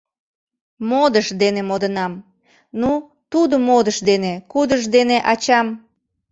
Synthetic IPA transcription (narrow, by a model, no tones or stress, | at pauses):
mod̪əʃd̪enemod̪ənɑm | nu | t̪ud̪əmod̪əʃd̪enekud̪əʃd̪eneʔɑt͡ɕɑm